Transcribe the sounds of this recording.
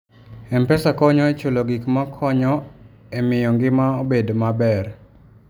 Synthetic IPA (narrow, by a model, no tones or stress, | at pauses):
ɛmpɛsakɔɲɔet͡ʃoloɡikmakʰɔɲɔ | emɪjɔŋɡɪmaobedmabɛr